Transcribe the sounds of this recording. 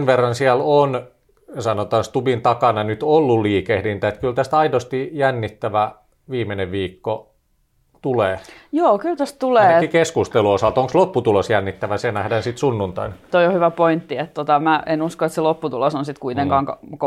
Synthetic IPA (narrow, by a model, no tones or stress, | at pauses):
nʋerːɑnsiælon | sɑnot̪ɑːnst̪ubint̪ɑkɑnɑnyt̪olːulliːkehlint̪æet̪kylt̪æst̪ɑidost̪ijænːit̪ːæʋæ | ʋiːmeneʋʋiːkːo | t̪uleːjoːkylt̪æst̪t̪uleːikeskust̪eluosɑlt̪oŋkslopːut̪ulosjænːit̪ːæʋæsenæhdænsit̪sunːunt̪ɑ̰int̪oijohyʋæpoint̪ːiet̪t̪ːot̪ɑmæenuskoet̪selopːut̪ulosonsit̪kuit̪eŋkɑːŋkɑk